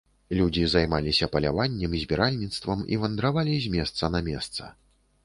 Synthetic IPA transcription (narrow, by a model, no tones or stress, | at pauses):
lʲud͡zʲizajmalʲisʲɐpɐlʲavanʲːɛmizʲbʲɛɾalʲnʲit̪st̪vɐmḭvɐnd̪ɾavalʲizʲmʲɛst̪sɐnɐmʲɛst̪sɐ̰